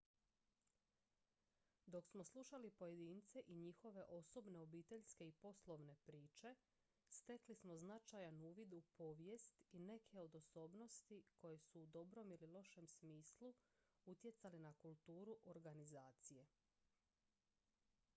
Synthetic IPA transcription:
d̪o̞ksmo̞slˠuʃalipo̞je̞d̪iːnt̪se̞ʔiɲixo̞ʋe̞ʔo̞so̞bne̞o̞biːt̪e̞ʎske̞ipo̞slˠo̞ʋne̞pɾiːt͡ʃe̞ | st̪e̞klismo̞znat͡ʃajanuːʋid̪upo̞ːʋje̞st̪ine̞kʰe̞o̞d̪o̞so̞ːbno̞st̪ikʰo̞je̞suːd̪o̞bɾo̞mililˠo̞ʃe̞msmiːslˠuut̪je̞t̪salinakulˠt̪uːɾuʔo̞ɾɡanizaːt̪sije̞

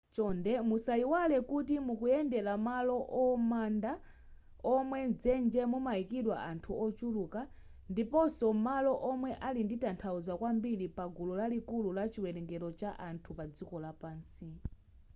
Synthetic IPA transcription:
t͡ʃɔndɛmusaiwalɛkutimukujɛndɛlamalɔʔɔmanda | ɔmwɛnd͡zɛnd͡ʒɛmumajikiɗwa̰ʔantʰuʔɔt͡ʃuluːka | ndipɔsɔmalɔʔɔmwɛʔalinditantʰauzwakwambiɾipaɡulɔlalikululat͡ʃiwɛnɛŋɡɛlɔt͡ʃaʔantʰupad͡zikɔlapaːnsi

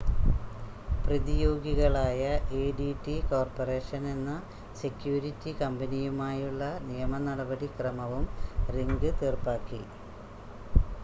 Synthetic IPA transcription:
prɐðijo̞ːɡiɣɐɭaːjɐʔeːɖiʈːiko̞ːrpɐre̞ːʂɐne̞nːɐ | sekjuːɾitːikɐmbɐnijumaːjuɭːɐnijɐmɐnɐɽɐbɐɽikrɐmɐʋumriŋɡɨt̪eːrpaːkːil

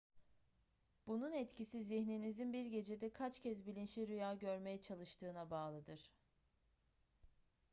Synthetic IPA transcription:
b̥ununɛt̪cʰisiziçninizinbiɾɟe̞d͡ʒe̞d̪ɛkʰat͡ʃcʰɛzbilʲinʃiɾyjaːɟø̞ɾme̞jɛt͡ʃʰalˠɯʃt̪ʰɯːnabaːlˠɯd̪ɯɾ̥

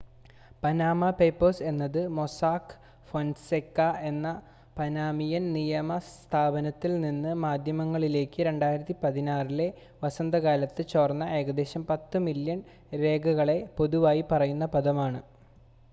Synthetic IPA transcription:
pɐnaːmɐpejpːɐrse̞nːɐðɨmo̞saːk | fonsekːae̞nːɐ | pɐnaːmijɐnnijɐmɐst̪ʰaːbɐnɐt̪ːilninːɨmaːd̪ʱjɐmɐŋːɐɭile̞ːkːɨɾe̞ɳɖaːjiɾɐt̪ːipɐðinaːrile̞ | ʋɐsɐnd̪ɐɣaːlɐt̪ːɨt͡ɕoːrnːɐʔe̞ːɡɐd̪e̞ːɕɐmpɐt̪ːɨmiljɐɳ | ɾe̞ːɡʱɐɣɐɭe̞po̞ðuʋaːjipɐrɐjunːɐpɐðɐmaːɳɨ

